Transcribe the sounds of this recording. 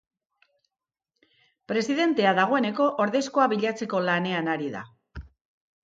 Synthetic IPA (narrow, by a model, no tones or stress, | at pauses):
pɾe̞siðe̞nt̪e̞aðaɣ̞o̞e̞ne̞ko̞ʔoɾðe̞sko̞aβiʎat͡se̞ko̞lane̞anaɾiða̰